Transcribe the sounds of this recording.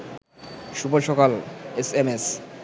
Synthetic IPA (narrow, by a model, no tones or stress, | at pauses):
ʃupolʃɔkalesemes